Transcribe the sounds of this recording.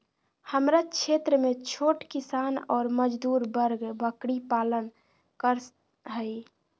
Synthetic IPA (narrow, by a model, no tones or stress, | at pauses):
həmɾakt͡ʃʰet̪ɾəmet͡ʃʰoʈkisanɔːɾməd͡ʒd̪uɾbəɾɡbəkɽipalən | kəɾ | ɦəj